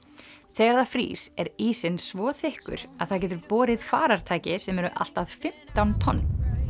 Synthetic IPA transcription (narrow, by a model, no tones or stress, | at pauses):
θɛːɣaɾðafɾḭːsɛɾiːsɪnsvɔːθɪhkʏ̰ɾ̥aðθaðc̬ɛːt̪̬ʏɾpɔːɾɪð̥fa̰ːɾaɾ̥t̪ʰaːjcɪsɛmɛɾʏʔa̰l̥t̪aðfɪm̥t̪awnt̪ʰɔnːm